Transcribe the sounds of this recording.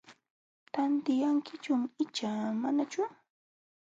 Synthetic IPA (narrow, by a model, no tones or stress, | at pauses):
t̪ant̪ɪjaŋkɪt͡ʃʊmɪt͡ʃaːmanat͡ʃʊ